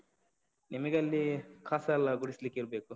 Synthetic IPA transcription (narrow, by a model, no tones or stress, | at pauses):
nimɐɡɐlːikʰaːsɐɐlːɐɡuɽislikːiɾɐbeːku